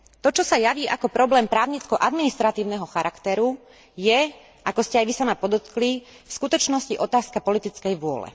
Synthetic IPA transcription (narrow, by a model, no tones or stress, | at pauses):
t̪ɔt͡ʃɔsajaʋiːʔakɔpɾɔblɛːmpɾaːʊɲit͡skɔʔad̪minist̪ɾat̪iːʊnɛɦɔxaɾʔakt̪ɛɾu | jɛ | ʔakɔscɛajʋisamapɔd̪ɔt̪kli | fskut̪ɔt͡ʃnɔsciʔɔt̪aːskapɔlit̪it͡skɛjʋʊɔ̰lɛ̰